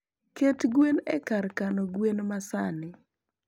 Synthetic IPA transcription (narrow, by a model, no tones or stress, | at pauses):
ketɡwenɛ̰karkanoɡwenmasanɪ